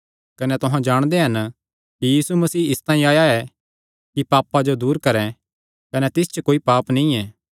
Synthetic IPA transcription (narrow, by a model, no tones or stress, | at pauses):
kɐnɛt̪ʊɦãd͡ʒaːɽ̃d̪eɦɐn | kijiːsumɐsiːɪst̪ãːĩaːjaɛ | kipaːpːad͡ʒod̪uːɾkɐɾɛ̃ | kɐnɛt̪ɪs̬t͡ʃəkoːipaːpnĩɛː